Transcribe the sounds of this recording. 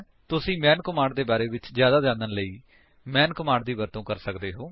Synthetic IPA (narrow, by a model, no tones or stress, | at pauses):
t̪ʊsĩːmɛ̃ːnkəmãːɳɖd̪eːbaːɾeːʋɪt͡ʃzjaːd̪aːzãːnd̪ənləiː | mɛ̃ːnkəmãːɳɖd̪iːbəɾt̪õːkəɾsəkd̪eːɦoː